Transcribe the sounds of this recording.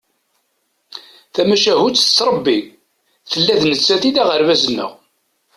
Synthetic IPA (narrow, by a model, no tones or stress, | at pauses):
θæmæʃæɦut͡sːə̥t͡sːɾˤəbːi | θəlːæðnət͡sːæθiðæʁəɾvæzənːə̰ʁ